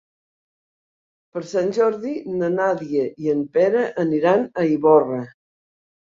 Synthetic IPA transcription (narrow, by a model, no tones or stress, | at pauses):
pəɾsanʲʒɔɾðinənaðiəʔiəmpɛɾəʔəniɾanəiβɔrə